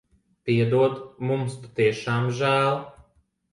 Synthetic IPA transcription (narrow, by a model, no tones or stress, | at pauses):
piɛd̪uɔd̪mumspat̪iɛʃaːmʒæːlˠ